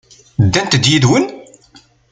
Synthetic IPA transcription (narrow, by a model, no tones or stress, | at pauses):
d̪ːænt̪əd̪jiðwən